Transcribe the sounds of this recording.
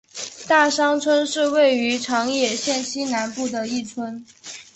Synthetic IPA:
t̪a˥˩ʂɑ˥ŋt͡sʰwə˥nʂɻ̩˥˧we˥˩ɪy˧˥ʈ͡ʂʰɑ˧˥ŋjɛ˥˩ɕjɛ˥˩nɕi˥na˧˥npu˥˩d̪ə˩i˥˩t͡sʰwə˥n

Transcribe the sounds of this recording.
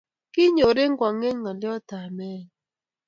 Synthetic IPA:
kɪ˦ɲo˨ɾe˦ŋ˦ɡwa˨ŋe˦ŋŋa˨lɪ˦ɔ˦ta˨mɛ˦˨

